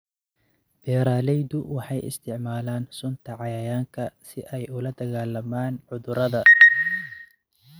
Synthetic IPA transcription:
b̥ɛːɾaːlɛjðʊwɑħɑjɪ̰st̪ʰɪʕmaːlaːnsʊnt̪ʰɐʕɑjɐjaːŋkʰɐsɪʔɛjʊlɐd̪ɐɣaːlɐmaːnʕʊðʊɾɐðɐ

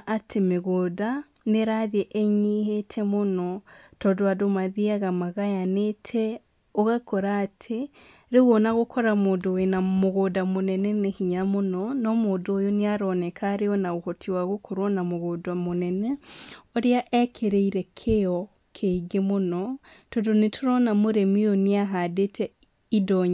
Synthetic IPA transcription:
ʔatʰemeɣoːda | neɾaðiɛʔeɲehetʰɛmonɔtɔːdoadomaðiaɣamaɣajanetʰɛ | oɣakɔɾaːtʰe | ɾeɣwɔnaɣokʰɔɾamoːndoenamoɣoːdamonɛnɛnehiɲamonɔnɔmoːdoojoneaɾɔnɛkʰaɾeɔnaɣohɔtʰiwaɣokʰɔɾwɔnamoɣoːdamonɛnɛoɾeaʔɛkʰeɾeiɾɛkʰeɔ | kʰeiɡemonɔtɔdonetʰoɾɔnamoɾemioneaɦadetʰɛ | idɔɲa

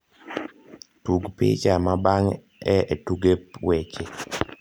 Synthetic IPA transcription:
tuɡpɪ̰t͡ʃamabaŋ | ɛetuɡepwɛt͡ʃe

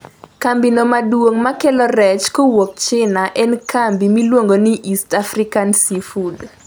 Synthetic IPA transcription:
kambinomadwoŋmakɛlɔɾɛt͡ʃkowok̚t͡ʃɪnaʔɛnkambimilwoŋɡoniʔistafrikansifud

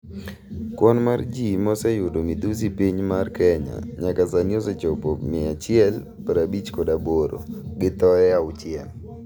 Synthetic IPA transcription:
kwɔnmard͡ʒimɔsɛjʊdomid̪us̬ipiɲmarkɛɲa̰ɲakasaniɔsɛt͡ʃopomɪat͡ʃɪɛl | paɾabit͡ʃkɔdaboɾo̰ɡɪt̪ɔɛaʊt͡ʃjɛm

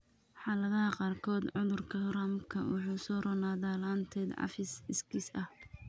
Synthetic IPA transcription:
ħɑːlɐðɐɦɐqɑːrkʰɔːd̪ʕʊðʊrkʰɐhramkʰɐwʊ̰ħuːsɔːrɔnaːðaːlaːnt̪ʰɛːd̪ʕɑ̰fɪsɪskʰiːsɐh

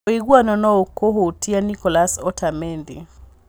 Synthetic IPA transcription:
oiɡwanɔnɔokoɦotianikɔlasɔtʰamɛndi

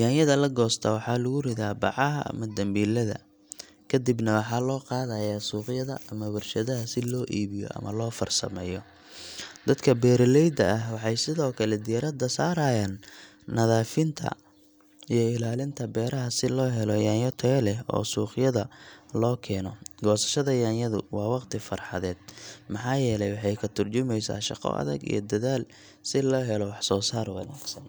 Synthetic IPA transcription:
jaːnjɐðɐlɐɡɔːst̪ʰɐwɑħɑːlʊɣʊrɪðaːbɑʕɑɦɐ̰ʔɐ̰mɐd̪ɐmbiːlɐðɐ̰ | kʰɐd̪ibnɐwɑħɑːlɔːqɑːðɐjaːsuːqjɐðɐɐmɐwɐrʃɐðɐɦɐsɪlɔːʔiːβɪjɔ̰ʔɐ̰mɐ̰lɔːfɐrsɐ̰mɛːjɔ | d̪ɐd̪kʰɐbɛːɾlɛjd̪ɐʔɐɦwɑħɑjsɪðɔːkʰɐlɛd̪ɪjɐɾɐd̪ɐsaːɾaːjaːnː | ɐðaːfɪnt̪ʰɐ̰ | ijɔɪlaːlɪnt̪ʰɐbɛːɾɐɦɐsɪlɔːɦɛlɔjaːnjɔt̪ʰɛlɛɔ̰ːsuːqjɐðɐlɔːkʰɛːnɔɡɔːsɐ̥ʃɐðɐjaːnjɐðʊ̰wɑːwɑqt̪ʰɪfɐrħɑ̰ðɛːd̪̥̚mɑħɑːjɛːlɛjwɑħɑjkʰɐt̪ʰʊrt͡ʃʊmɛjsa̰ːʃɑ̰qɔ̰ʔɐ̰ðɐ̰ɡḭjɔ̰d̪ɐðaːl | sɪlɔːɦɛlɔwɑħsɔːsaːrwɑnaːɡ̥sɐn

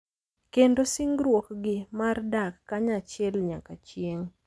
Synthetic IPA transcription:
kendosiŋɡɾwokɡɪmardakːaɲat͡ʃjɛlɲakat͡ʃjeŋ

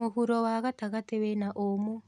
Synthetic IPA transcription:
ohuɾɔwaɣataɣatewɛnaʔomo

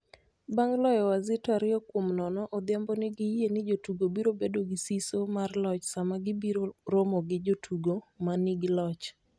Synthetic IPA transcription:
baŋlɔjɔwazɪtaɾɪɔkwomnɔnɔʔɔd̪jambɔnɪɡɪjenɪd͡ʒotuɡobiɾobedoɡɪsisomarlɔt͡ʃsamaɡɪbiɾoɾomɔɡɪd͡ʒotʰuɡomanɪɡɪlɔt͡ʃ

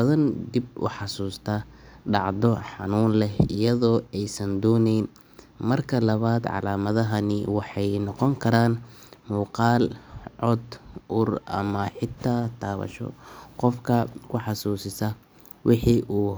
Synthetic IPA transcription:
bɐðɐnd̪ibʊ̰ħɑsuːst̪ʰaːɖɑʕd̪ɔħɑ̰nuːnlɛɪjɐðɔːɛjsɐnd̪ɔːnɛjn | mɐrkʰɐlɐβaːd̪ʕɑ̰laːmɐðɐɦɐnɪwɑħɑjnɔqɔŋkʰɐɾaːn | muːqɑːlʕɔd̪ʔʊrɐ̰mɐħɪt̪ʰaːt̪ʰaːβɐ̰ʃɔ̰qɔfkʰɐkʰʊħɑsuːsɪsɐ | wʔɪħiʔuː

